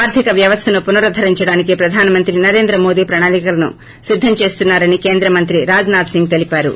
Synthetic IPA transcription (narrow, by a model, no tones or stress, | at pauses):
aːɾd̪ʱikɐʋjɐʋɐst̪ʰɐnupunɐɾɐd̪ʱɐɾiɲt͡ʃɐɽaːnikipɾɐd̪ʱaːnɐmɐnt̪ɾinɐɾe̞ːnd̪ɾɐmo̞ːd̪iːpɾɐɳaːlikɐlɐnṵ | sid̪ʱːɐmt͡ʃe̞ːst̪unːaːɾɐnike̞ːnd̪ɾɐmɐnt̪ɾiɾaːd͡ʒnaːd̪siŋɡ̚t̪elipaːɾṵ